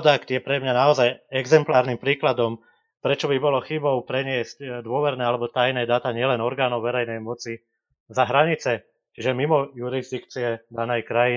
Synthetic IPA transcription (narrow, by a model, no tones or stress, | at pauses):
d̪akt̪jɛpɾɛmɲanaɔzajɛɡzɛmplaːɾnimpɾiːklad̪ɔm | pɾɛt͡ʃɔbibɔlɔxibɔʊpɾɛɲɪɛzcd̪ʊɔʋɛɾnɛːalɛbɔt̪ajnɛːd̪at̪aɲɪɛlɛnɔɾɡaːnɔʊʋɛɾɛjnɛjmɔt͡si | zaɦɾaɲit͡sɛ | t͡ʃiʒɛmimɔjuɾizd̪ikt͡siɛd̪anɛjkɾaji